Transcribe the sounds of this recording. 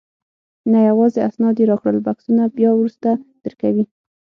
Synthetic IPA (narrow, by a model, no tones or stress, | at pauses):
najawɑzeasnɑd̪eɾɑxɽəlbaksunabjɑwɾust̪ad̪̥əɾkawi